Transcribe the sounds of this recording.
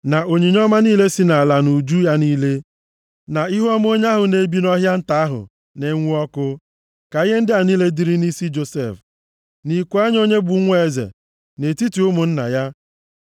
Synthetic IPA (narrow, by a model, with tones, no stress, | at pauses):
na˨ʔo˨ɲi˨ɲ˦ɔ˦ma˦niː˦le˦si˦na˨la˨nu˨d͡ʒu˦ja˦niː˦le˦ | na˨i˦ɦu˦ɔ˦m˦o˦ɲ˦a˦ɦʊ˨ne˨bi˦nɔ˦ɦja˦n̩˦ta˨˦ɦʊ̰˨ | ne˨˦ŋʷu˦ɔ˦kʊ˦ | ka˨i˦ɦe˦n̩˦dɪ˦a˨niː˦le˦di˦ɾi˦ni˦si˦d͡ʒo˨sḛ˦˨f | ni˨kʷu˦a˦ɲ˦o˦ɲe˦bu˨˦ŋʷ˦e˦˨zḛ˨ | ne˨ti˦ti˨ʊ˦mʊ˨n̩˦na̰˨ja˦